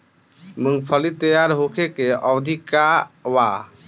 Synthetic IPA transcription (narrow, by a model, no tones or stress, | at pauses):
muŋɡpʰəlit̪ejaɾɦukʰekeɔwd̪ʱikawa